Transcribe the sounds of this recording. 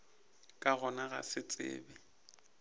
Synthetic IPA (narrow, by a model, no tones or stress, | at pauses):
kʼaɣɔnaɣa̰sɪt͡sʼɪ̰ːbɛ